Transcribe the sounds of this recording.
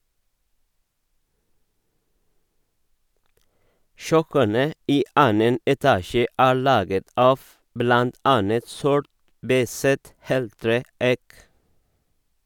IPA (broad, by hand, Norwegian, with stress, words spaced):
ˈʃœkənə ˈiː ˈʔɑːnən ɛˈtɑːʃə ˈæːɹ ˈɭɑːɡət ˈɑːf ˈblɑnt ˈɑnət ˈsɔʈ ˈbæɪsət ˈheːlˌtɾeː ˈæɪk